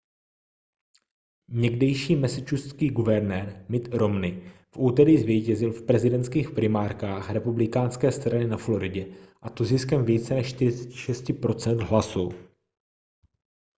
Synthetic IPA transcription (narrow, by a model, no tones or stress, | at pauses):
ɲɛɡdɛjʃiːmɛsɪt͡ʃuskiːɡuvɛɾnɛːɾmɪt̪ɾo̞mnɪfʔuːt̪ɛɾɪːzvjɛjcɛzɪlfpɾɛzɪdɛnt̪skiːxpɾɪmaːɾkaːxɾɛpublɪkaːnskɛːst̪ɾanɪnaflo̞ɾɪɟɛʔat̪oziskɛmviːt͡sɛnɛʃʃt̪ɪɾɪt͡sɛ̥cɪ̥ʃɛscɪpɾo̞t͡sɛnt̪ɦlasu